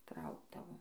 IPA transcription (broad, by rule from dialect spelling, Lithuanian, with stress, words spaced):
ˈtrɐʊɡdɐʋoːm